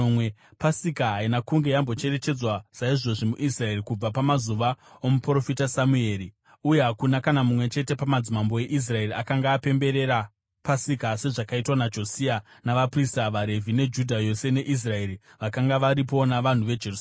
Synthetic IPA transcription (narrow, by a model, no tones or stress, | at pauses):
mepasikaɦainakuŋɡe̞jambo̞t͡ʃe̞re̞t͡ʃe̞d͡zwasaiʐo̞ʐimuʔisrae̞rikub͡vapamazuʋa | omupro̞fitasamue̞ːri | ujeɦakunakanamumwe̞t͡ʃe̞te̞pamad͡zimambo̞e̞ʔis̬rae̞riakaŋɡaːpe̞mbe̞ɾe̞ɾa | pasikase̞ʐakaitwanad͡ʒo̞sianaʋapristaʋaɾe̞vine̞d͡ʒudʱajo̞se̞ne̞ʔis̬rae̞ɾi | ʋakaŋɡaʋaɾipo̞naʋan̤uʋe̞d͡ʒerus